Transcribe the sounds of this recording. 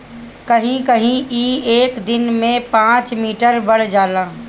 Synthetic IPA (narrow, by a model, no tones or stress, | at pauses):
kəɦĩkəɦĩiːeːkd̪ɪnmẽpãːt͡ʃmiːʈəɾbəɽ̤d͡ʒaːlaː